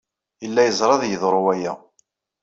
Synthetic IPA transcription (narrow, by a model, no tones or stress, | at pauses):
jəlːæjəzˤɾˤɑðjəðˤɾˤʊwæjæ